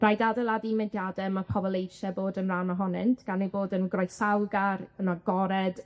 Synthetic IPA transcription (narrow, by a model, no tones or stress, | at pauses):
rajdadɛlˠadimɛdjadɛmapʰɔbɔlˠejʃɛboːdənranɔɦɔnɛntʰɡ̥anejboːdənɡrɔjsawɡarənaɡɔɾɛd̥